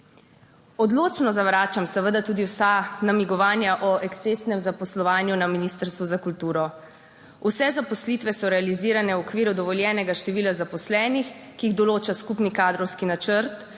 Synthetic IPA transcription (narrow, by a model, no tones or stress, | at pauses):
ɔd̪loːt͡ʃnɔzaʋɾaːt͡ʃamsəʋəd̪at̪uːd̪iwsanamiɡɔʋaːnjaʔɔʔɛkst̪est̪nɛmzapɔslɔʋaːnjunaminiːst̪əɾst̪ʋuzakult̪uːɾɔ | usɛzapɔslit̪ʋɛsɔɾɛaliziːɾanɛwɔkʋiːɾud̪ɔʋɔljɛːnɛɡaʃt̪ɛʋiːlazapɔslɛːnixkiːɣd̪ɔloːt͡ʃaskupnikaːd̪ɾɔwskinat͡ʃəɾt̪